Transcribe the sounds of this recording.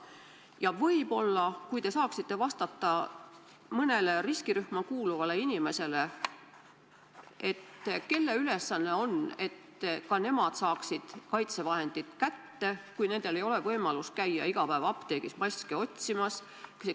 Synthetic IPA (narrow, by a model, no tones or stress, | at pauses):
jɑvɤ̞jb̥o̞lːɑkujt̪e̞sɑːksit̪ːe̞vɑst̪ɑt̪ːɑ | mɤne̞le̞riskiɾyhmɑkuːluvɑle̞inime̞se̞le̞ | e̞t̪ke̞lːe̞yle̞sːɑnːe̞o̞ne̞t̪ːkɑne̞mɑd̪̥sɑːksid̪̥kɑjt̪se̞vɑɦe̞nd̪̥it̪kæt̪ːe̞kujne̞nd̪̥e̞le̞jo̞le̞vɤjmɑluskæjːɑ̰iɡ̥ɑpæevɑɑpt̪e̞ːɡ̥ismɑskeo̞t̪ʲsimɑs | k